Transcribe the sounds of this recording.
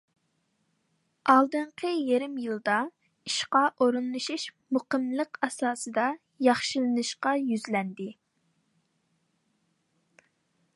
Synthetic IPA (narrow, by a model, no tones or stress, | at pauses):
ɑlˠd̪ɨɴqʰəjeɾɪmjɨlˠd̪ɑ | iʃqɑʔoɾunlˠɨʃiʃ | muqəmlˠəqɑsɑːsɨd̪ɑ | jɑχʃilˠɨnɨʃqɑjyzlɛnd̪ɪ